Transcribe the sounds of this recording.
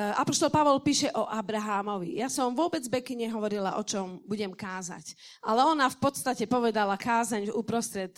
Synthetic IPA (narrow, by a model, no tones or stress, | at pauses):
a̰pɔʃt̪ɔlpaʋɔlpiːʃɛʔɔʔabɾaɦaːmɔʋḭjasɔmʋʊɔbɛd͡zbɛkiɲɛɦɔʋɔɾila̰ʔɔt͡ʃɔmbuɟɛmkaːza̰c | ʔalɛɔnafpɔt̪st̪acɛpɔʋɛd̪alakaːzaɲuːpɾɔst̪ɾɛt̪̚